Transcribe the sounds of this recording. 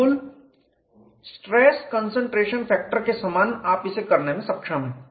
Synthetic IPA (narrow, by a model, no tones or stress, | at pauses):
ʊl | sʈɾɛːskənsə̃ɳʈɾeːʃənpʰɛːk̚ʈəɾkesamaːnaːpɪsekɐɾnemẽsɐpʃəm